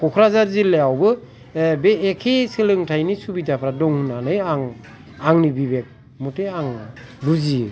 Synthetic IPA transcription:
kʰɔkʰɾazaɾzilːeawbɯ | beːkʰesɯlɯŋtʰajnisubitapʰɾadɔŋhunanɯjaŋ | aŋnibibek̚ | mɔtʰeaŋluzi

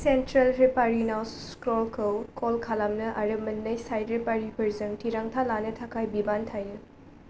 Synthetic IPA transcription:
sentɾɐlɾepaɾinawskɾɔlkʰɐwkʰɔlkʰalamnɐʔaɾɐmɐnːɐjsajdɾepaɾipʰɐɾzɐŋtʰiɾaŋtʰalanɐtʰakʰajbibantʰajɯ

